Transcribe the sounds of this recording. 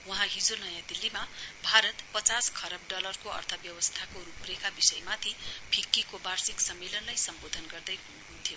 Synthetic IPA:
wʌɦãɦid͡zonʌjãd̪ilːimabʱaɾʌt̪pʌt͡saskʰʌɾʌb̚ɖʌlʌrkoʌ̰rt̪ʰʌbjʌwʌst̪ʰakoruprekabisʌjmat̪ʰibʰʱikːikobarsiksʌmːelʌnlajsʌmbod̪ʱʌnɡʌrd̪ʌjɦunuũt̪ʰijo

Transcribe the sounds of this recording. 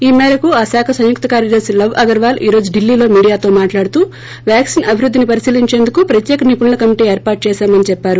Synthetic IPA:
iːmɛːɾɐkuaːsaːkʰɐsɐ̃jjuk̚t̪ɐkaːɾjɐd̪ɐɾsilɐʋɐɡɐɾʋaːlʔḭːɾo̞ːd͡ʒuɖilːiːlo̞ːmiːɽijaːt̪o̞ːmaːʈlaːɽut̪uː | ʋjaːksinɐbʱiɾud̪ːinipɐɾisiːliɲt͡ʃe̞ːnd̪ukupɾɐt̪jɛːkɐnipuɳɐlɐkɐmiʈiːeːɾpaːɾʈ̚t͡ʃɛːʃaːmɐnit͡ʃɛpːaːɾu

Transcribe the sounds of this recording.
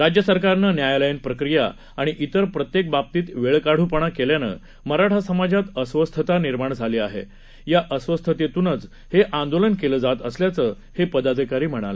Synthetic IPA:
ɾad͡ʑjəsəɾkaɾnənjajləinpɾəkɾija̰ | aɽ̃iʔit̪əɾpɾət̪jek̚bap̚t̪iːt̪ʋeɭkaɽ̤upəɳ̃akeljanə̰ | məɾaʈʰasəmad͡ʑat̪əsʋəst̪ʰət̪aniɾmaɳd͡zʱaliːaɦḛ | jaʔəsʋəst̪ʰət̪jet̪unət͡s | heʔand̪olənkeləːd͡zat̪əsljat͡səː | hepəd̪ad̪ʱikaɾiːm̤əɽ̃a̰lə̰

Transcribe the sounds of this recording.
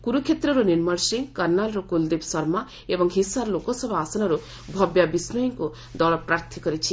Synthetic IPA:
kuɾukʰet̪ɾɔɾuniɾmɔɾsiŋɡkɔɾnalɾɔkuld̪ipsɔɾma | ebɔŋɦisaɾlokɔsɔbʱɔasanɔɾu | bʱɔbjabisnɔjɔŋku | d̪ɔɭɔpɾaɾt̪ʰikɔɾit͡ʃʰi

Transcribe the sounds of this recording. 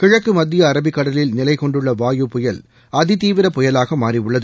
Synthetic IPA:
kɪɻɐkːɯmɐd̪ːɪjɐːɾɐbɪkːɐɽɐlɪlnɪlɐɪkɔɳɖɯɭːɐʋaːjɯpɔjɐl | ɐðɪt̪iːʋɪɾɐpɔjɐlaːɣɐmaːɾiʊɭːɐðɯ

